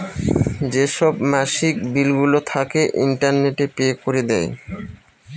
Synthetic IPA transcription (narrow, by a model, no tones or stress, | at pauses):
d͡ʑeʃɔbmɛʃikbilɡulot̪ʰakeʔḭɳʈaɾneʈepekoɾed̪ɛj